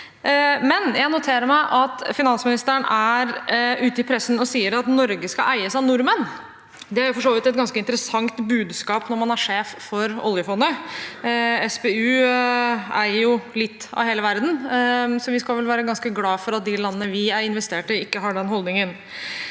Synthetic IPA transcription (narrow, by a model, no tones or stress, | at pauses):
mɛnjæɪnʊt̪ʰeːɾəɾmæɪʔɑt̪fɪnɑnsmɪnɪst̪əəɳæɾʉːt̪əɪpʰɾɛsənɔsiːəɾɑt̪nɔɾɡəskɑʔæɪəsɑnʊɾmən | d̪ɛæɾjʊfɔʂoːʋɪt̪ɛt̪̚ɡɑnskəɪnt̪əɾəsɑŋt̪bʉːd̪skɑːpnɔɾmɑnæɾʂeːffɔɾɔ̰ljəfɔnɔ | ɛsbeʉː | æ̰ɪəɾjʊlɪt̪ːɑ̰ʋheːləʋæɾd̪n̩sɔʋɪskɑlʋɛlʋæːɾəɡɑnskəɡlɑːfɔɾɑt̪̚d̪ɪlɑnːənəʋɪæɾɪnʋɛst̪eːʈəɪkːəɦɑɖɛnɦɔld̪nɪŋən